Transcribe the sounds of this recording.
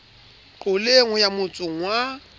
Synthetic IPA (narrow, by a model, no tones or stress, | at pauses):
kʼʊleŋʊjamʊt͡sʼʊŋ̩wa